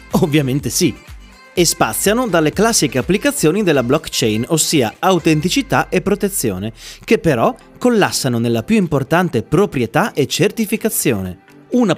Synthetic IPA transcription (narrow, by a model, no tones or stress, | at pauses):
ovːjament̪esi | espat̪sːjanod̪alːeklasːikeapːlikat̪sːjoːnid̪elːablɔkt͡ʃɛjnosːiːa̰awt̪ent̪it͡ʃit̪aʔepːɾot̪et̪sːjo̰ːnekepːeɾɔ | kːolːasːanonelːapjuimport̪ant̪epɾopɾjet̪aʔet͡ʃːert̪ifikat̪sːjo̰ːne | una